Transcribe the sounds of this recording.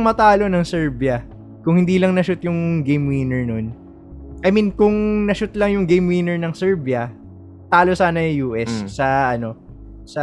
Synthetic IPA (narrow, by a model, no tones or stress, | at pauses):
ŋmɐt̪aːlo̞nɐŋsɛɹbjɐ | kʊŋhɪ̃nd̪iːlɐŋnɐʃʊt̪jʊŋɡejmwiːnɛɹnon | ʔɐminkʊŋnɐʃʊt̪lɐŋjʊŋɡejmwiːnɛɹnɐŋsɛɹbjɐ | t̪aːlosaːnɐɐjuːʔɛsːɐʔɐno̞ | sɐ